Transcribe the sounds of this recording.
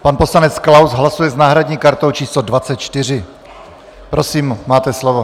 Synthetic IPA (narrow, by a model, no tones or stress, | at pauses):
panpo̞slanɛt͡sklawsɦlasujɛznaːɦɾadɲiːkaɾt̪o̞wt͡ʃiːslodvatt͡sɛt̪̚t͡ʃt̪ɪr̝ɪ | pɾo̞siːmmaːt̪ɛslovo